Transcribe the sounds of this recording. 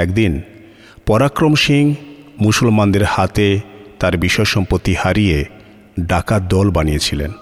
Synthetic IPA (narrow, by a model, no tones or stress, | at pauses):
ɛkd̪in | pɔɾakɾomʃiŋmusolmand̪eɾhat̪et̪aɾbiʃɔeʃɔmpot̪ːihaɾije | ɖakad̪ɔlbanijet͡ɕʰilḛn